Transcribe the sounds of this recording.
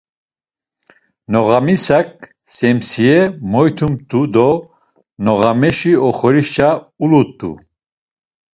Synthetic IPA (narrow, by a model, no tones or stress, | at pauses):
nɔɣamisak̚ʼ | sɛmsiɛmɔjt̪ʰumt̪ʰʼud̪ɔ | nɔɣamɛʃiɔχɔɾiʃt͡ʃʰaulut̪ʼːṵ